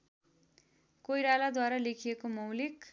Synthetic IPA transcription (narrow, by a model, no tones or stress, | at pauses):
kojɾalad̪waɾalekʰijekomʌwlik